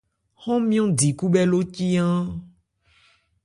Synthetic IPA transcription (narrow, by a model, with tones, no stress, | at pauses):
xɔ̃˦mĩ˦ɔ̃˦di˨ku˦bɛ˦lo˦ci˦ã˦